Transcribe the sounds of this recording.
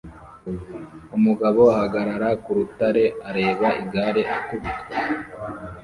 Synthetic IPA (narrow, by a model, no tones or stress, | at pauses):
umuɡaβo̞ahaɡaɾaɾakuɾutaɾe̞aɾe̞ːβaʔiɡaɾe̞ʔakubi